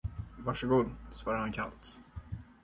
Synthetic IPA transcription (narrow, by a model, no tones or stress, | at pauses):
vɑʂəɡuːd̪svɑːɾaɾhankʰa̰lt̪